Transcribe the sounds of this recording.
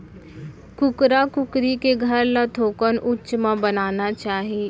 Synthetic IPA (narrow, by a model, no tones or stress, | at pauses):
kʊkɾakʊkɾikeɡʱɐɾlat̪ʰoːkənʊtːt͡ʃmãbənaːnat͡ʃaːɦie